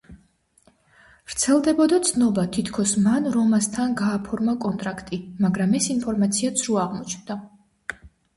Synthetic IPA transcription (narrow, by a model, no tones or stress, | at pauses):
vɾt̪sʰɛlˠd̪ɛbɔd̪at̪sʰnɔbat̪ʰit̪ʰkʰɔsmanɾɔmast̪ʰanɡaːpʰɔɾmakʼɔnt̪ʼɾakʰt̪ʼimaɡɾamɛsinpʰɔɾmat̪sʰiat̪sʰɾuaʁmɔt͡ʃʰnd̪a